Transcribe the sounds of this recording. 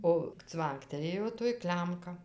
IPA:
oː ˈt͡sʋɐŋktʲɛlʲeːjoː toːj ˈklʲɛmkɐ

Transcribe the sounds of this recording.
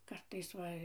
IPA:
ˈkɐrtɐɪs ˈʋɐ

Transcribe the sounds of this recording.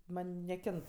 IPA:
ˈmɐnʲ nʲɛˈkʲɪnt

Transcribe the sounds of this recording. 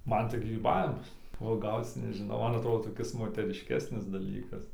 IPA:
ˈmɐn tɐɪ ɡrʲiːˈbɑːʋʲɪmɐs uɔˈɡɐʊt͡s nʲɛʒʲɪˈnɐʊ ˈmɐn ɐtˈroːdoː toːˈkʲɪs moːtʲɛrʲɪʃʲˈkʲæːsʲnʲɪs dɐˈlʲiːkɐs

